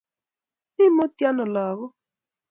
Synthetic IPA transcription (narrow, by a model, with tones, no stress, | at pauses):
ɪ˦mo˦tja˦nʊ˨la˨ɣʊ˦